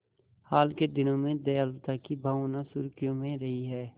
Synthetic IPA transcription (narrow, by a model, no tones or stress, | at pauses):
haːlked̪ɪnõmẽd̪ɛjaːlt̪akibʱaːõnasʊɾkijõmẽɾɐɦiɦɛː